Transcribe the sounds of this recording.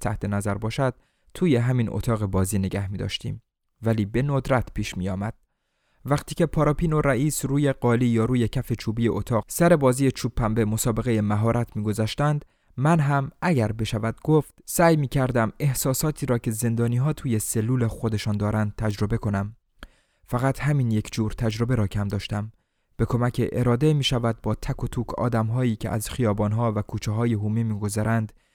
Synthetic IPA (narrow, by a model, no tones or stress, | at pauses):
t̪ʰæ̰ht̪ʰe̞næzæɾbɒːʃæd̪̥̚ | t̪ʰuːje̞ɦæminʔo̰t̪ʰɒːɣe̞bɒːziːne̞ɡæhmiːd̪ɒ̰ːʃt̪ḭːm | væliːbe̞nod̪ɾæt̪ʰpʰiːʃmiːjɒːmæd̪̥̚ | væqt̪ʰiːce̞pʰɒːɾɒːpiːno̞ɾæʔiːsɾuːje̞ɢɒːliːjɒːɾuːjecʰæfe̞t͡ʃʰuːbiːjeʔot̪ʰɒːɣsæɾe̞bɒːziːjet͡ʃʰuːpʰːæmbe̞mo̞sɒːbe̞ɣeje̞mæɦɒːɾʔæt̪ʰmiːɡo̞zæːʃt̪ænd̪ | mænɦæmʔæɟæɾbe̞ʃævæd̪̥̚ɡoft̪sæːjmiːcʰæɾd̪æme̞hsɒːsɒːt̪ʰiːɾɒːcʰe̞ze̞nd̪ɒːniːɦɒːt̪ʰuːje̞se̞lːuːle̞xo̞d̪e̞ʃɒːnd̪ɒːɾʔænd̪̚t̪ʰæd͡ʒɾo̞be̞kʰo̞næm | fæɣæt̪ʰhæmiːnje̞kʰd͡ʒuːɾt̪ʰæd͡ʒɾo̞be̞ɾɒːcʰæmd̪ɒːʃt̪æm | b̥e̞kʰo̞mæcʰeʔeɾɒːd̪e̞miːʃævæd̪̚bɒːt̪ʰækʰot̪ʰuːkʰɒ̰ːd̪æmɦɒːiːcʰeʔæ̰zxijɒːbɒːnɦɒːvækʰuːt͡ʃʰeɦɒːjeɦuːmimiːɡo̞zæɾænd̪